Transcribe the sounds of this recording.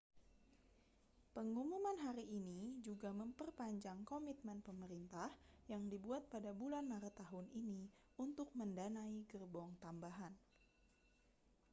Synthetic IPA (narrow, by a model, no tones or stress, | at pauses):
pəŋumumanɦaɾiːnid͡ʒuɡaməmpərpaɲd͡ʒaŋkomit̪̚mɛnpəməɾint̪ahjaŋdibuat̪̚padabulanmaɾət̪ːaɦunini | unt̪ʊk̚məndanaiɡərbɔŋt̪ambaɦan